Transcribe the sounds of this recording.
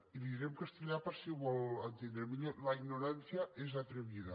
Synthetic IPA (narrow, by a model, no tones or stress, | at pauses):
iðiɾemkast̪eʎapəɾsiβɔlant̪ind̪ɾemiʎelaiɡnoɾansjaʔezat̪ɾeβiða